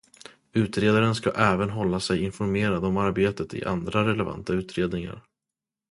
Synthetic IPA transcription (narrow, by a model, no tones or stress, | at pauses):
ʉ̟ːt̪ɾeːd̪aɾənskaʔɛːvənɦɔlːasɛjɪnfɔɾmeːɾad̪ɔmaɾbeːt̪ət̪ɪ̰ʔa̰nd̪ɾaɾɛlɛva̰nt̪ʰaʉ̟ːt̪ɾeːd̪nɪŋa̰ɾ